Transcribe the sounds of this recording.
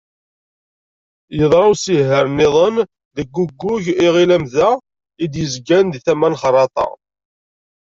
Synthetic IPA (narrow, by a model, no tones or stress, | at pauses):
jəðˤɾˤɑwsiɦəɾnɪðˤən | ðəɡːuɡːʊʝiʁilæmðæ | id̪jəzɡænd̪θæmænχrˤːɑt̪ˤɑ̰